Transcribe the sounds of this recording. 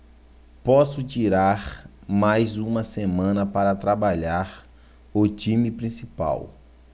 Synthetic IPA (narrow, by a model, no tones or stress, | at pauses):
pɔsʊt͡ʃiɾaɾmajzũmɐsemɐ̃nɐpaɾɐt̪ɾabaʎaɾ | ʊt͡ʃĩmipɾĩsipa̰w